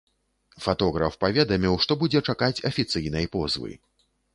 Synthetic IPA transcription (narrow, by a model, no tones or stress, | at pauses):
fat̪ɔɣɾɐfpavʲɛd̪ɐmʲiwʂt̪ɔbud͡zʲɛt͡ʂakat͡sʲɐfʲit̪sɨjnɐjpɔzvɨ̰